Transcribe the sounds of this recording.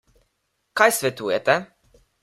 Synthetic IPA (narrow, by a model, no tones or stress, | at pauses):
kajsʋʲɛt̪ujɛt̪ɛ